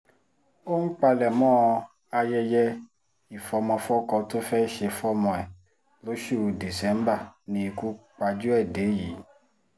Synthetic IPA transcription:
o˦ŋ̩˦k͡pa˧lɛ˨mɔ̃ː˦ | a˧jɛ˧jɛ˦ | i˨fɔ˧mɔ̃˧fɔ˦kɔ˧to˦fɛ˦ʃe˧fɔ˦mɔ̃˧ɛ˨ | lo˨˦ʃu˦˨di˨sɛ̃˦m˦ba˦˨nĩ˧ku˨˦k͡pa˧d͡ʒu˦ɛ˦˨de˨˦jiː˨˦

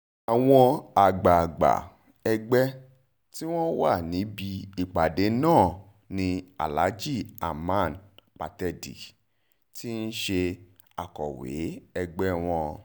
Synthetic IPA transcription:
a˨w̃ɔ̃˧a˨ɡ͡ba˨ɡ͡ba̰˨ | ɛ˧ɡ͡bɛ˦ | ti˦w̃ɔ̃˦wa˦˨nĩ˨˦bi˧i˨k͡pa˨de˨˦nãː˦˨ | nĩ˧a̰˨la˨˦d͡ʒi˦˨a̰˨mã˦˨nk͡pa˨tɛ˧dḭ˨ | ti˦n̩˦ʃe˧ | a˨kɔ̰˨wḛ˨˦ɛ˧ɡ͡bɛ˦w̃ɔ̃˧

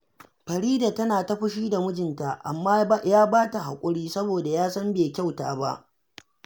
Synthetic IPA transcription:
ɸɐ˨ɾiː˦da˨tɐ˦naː˨ta˦ɸʊ˦ʃiː˦da˨mʊ˦d͡ʒɪ˨nta˨ʔa̰˨mːaː˦jaː˦baː˦ta˨ɦa̰˨kʷʼʊ˦ɽiː˦sɐ˦boː˨da˨jaː˦sɐ˦mbeː˨kʲa˦wta̰ː˨ba̰˦ʔ

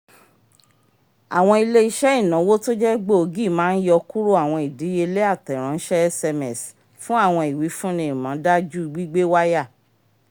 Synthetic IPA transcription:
a˨w̃ɔ̃˧i˧le˦i˧ʃɛ˦i˦˨nã˨˦wo˦to˦d͡ʒɛ˦ɡ͡bo˦o˧ɡi˦˨mãː˦n̩˦jɔ˧ku˦ɾu˦a˦˨w̃ɔ̃˧i˨di˨˦je˧le˦a˦˨tɛ˨ɾ̃ã˨˦n̩˦ʃɛ˦ɛ˦sɛ˧mɛ˨s | fũ˦a˦˨w̃ɔ̃˧i˨wi˨˦fũ˦nĩ˧˨mã˨˦da˦d͡ʒu˦i˧ɡ͡bi˦ɡ͡be˦wa˦ja˦˨

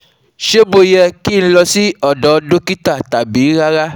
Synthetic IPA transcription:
ʃe˦bo˧jɛ˧ki˦ñ̩˧lɔ˧si˦ɔ˦˨dɔ˨˦do˦ki˦ta˦˨ta˨bi˨˦ɾa˦ɾa˦

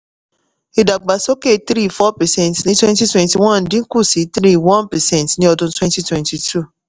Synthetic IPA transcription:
i˨da˨ɡ͡ba˨so˦ke˦˨t̪ɾi˦˨fɔ˦pɛ˨sɛ̃˦˨ntnĩ˦twɛ̃˦nti˦twɛ̃˨nti˨wã˦˨n̩˨dĩ˦ku˦˨si˨˦t̪ɾi˦˨wɔ̃˦npɛ˨sɛ̃˦˨ntnĩ˦ɔ˧dũ˧twɛ̃˦nti˦twɛ̃˨nti˨tʰu˦˨

